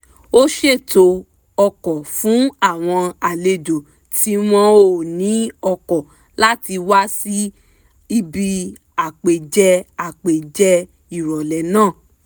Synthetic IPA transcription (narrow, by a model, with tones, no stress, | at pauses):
o˦ʃe˦˨to˧ | ɔ˧kɔ˨fũ˨˦a˦˨w̃ɔ̃˧a˨le˧d͡ʒo˨ | ti˧˦m̃ɔ̃˧o˦˨nĩ˨˦ɔ˧kɔ˨ | la˦ti˧wa˦si˦ | i˦bi˧ | a˨k͡pe˨d͡ʒɛ˧a˨k͡pe˨d͡ʒɛ˦ | i˦˨ɾɔ˨lɛ˨nãː˦˨